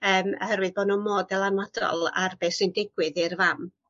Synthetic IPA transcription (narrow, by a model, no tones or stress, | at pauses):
əːmhɛɾwɨðboːdnumoːdɛlˠanɔdɔ̰lˠa̰rbesɪndɪɡwɨðirvam